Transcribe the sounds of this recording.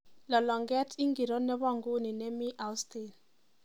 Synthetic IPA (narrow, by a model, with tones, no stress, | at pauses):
lɔ˨lɔ˨ŋɡɛ˦tʰi˦ŋɡi˨ɾɔ˦nɛ˦βa˦˨ŋɡo˦ni˨nɛ˦mi˦ʔa˨wste˦˨n